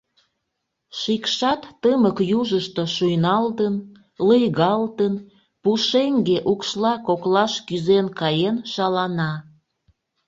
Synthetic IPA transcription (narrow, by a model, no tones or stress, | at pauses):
ʃikʃɑt̪ːəməkjuʒəʃt̪o̽ʃujnɑlt̪ən | ləjɣɑlt̪ən | puʃeŋɡeʔukʃlɑkoklɑʃkyzenkɑjenʃɑlɑnɑ